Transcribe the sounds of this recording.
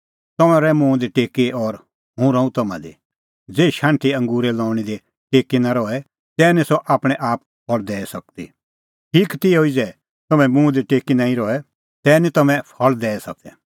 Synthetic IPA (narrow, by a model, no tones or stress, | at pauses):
t̪ɐmãɾɛmũːd̪iʈeːkeʔɔɾ | ɦũɾɐ̃ũt̪ɐmã̰d̪ḭ | d͡zeːiʃãːɳʈʰiɐ̃ŋɡuːɾɛlɔːɽ̃id̪e | ʈeːkinaɾɔɛ | t̪ɛːnisɔʔaːpɽ̃ɛʔaːp̚ | pʰɔld̪ɛːsɐk̚t̪ḭ | ʈʰiːkt̪ɪɛɦoid͡zɛ | t̪ɐmɛ̃mũːd̪iʈeːkinãːĩɾɔɛ | t̪ɛːnit̪ɐmɛ̃pʰɔld̪ɛːɛsɐ̰k̚d̪ɛ